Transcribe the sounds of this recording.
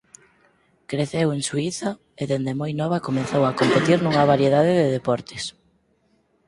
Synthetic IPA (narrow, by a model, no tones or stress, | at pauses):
kɾeθeweŋsuiθɐ | eðend̪emojnɔβ̞akomenθowakompet̪iɾnuŋɐβaɾjeðaðɪðeðepɔɾt̪ɪs